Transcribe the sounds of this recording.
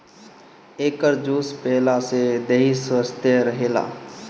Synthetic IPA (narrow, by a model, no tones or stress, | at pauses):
eːkəɾd͡ʒuːspɛːlased̪eːiswəst̪eɾəɦeːla̰ː